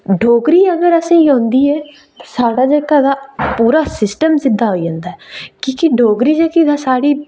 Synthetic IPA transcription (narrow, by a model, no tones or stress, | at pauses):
ɖʱoːɡɾiːəɡəɾəsĩːõːnd̪iːɛː | t̪ḁsaːɽaːd͡ʒeːkaːd̪aːpuːɾaːsɪsʈəmsɪd̪ːaːɦoːiːd͡ʒãːnd̪aːɛkĩːkɪɖʱoːɡɾiːd͡ʒeːkid̪aːsaːɽiː